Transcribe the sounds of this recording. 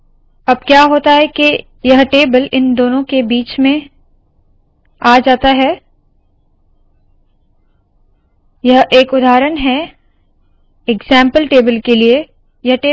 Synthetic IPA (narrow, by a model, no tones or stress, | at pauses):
ɐb̚kjaːɦoːt̪aɦɛke | jɐɦʈeːbəlɪnd̪oːnõkebiːt͡ʃmẽ | aːd͡ʒaːt̪aɦɛ | jɐɦeːkʊd̪aːɾənɦɛ | ɪɡzɛ̃ːmpəlʈeːbəlkelie | jɐɦʈeː